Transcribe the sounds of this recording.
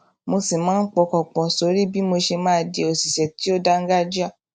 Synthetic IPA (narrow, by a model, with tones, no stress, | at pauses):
mo˧si˨mãː˨˦n̩˦k͡pɔ˧kɔ˨k͡pɔ̃˨so˨˦ɾi˦bi˦mo˧ʃe˧mãː˦˧de˧o˨si˨ʃɛ˨ti˨˦o˦da˦ŋ̩˦ɡa˦d͡ʒi˦a˦˨